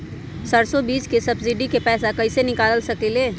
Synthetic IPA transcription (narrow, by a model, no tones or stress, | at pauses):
sɐɽsɔbiːskesɐbsɪɖikepɛːsakɐɪsenɪkaːlsɐkeleː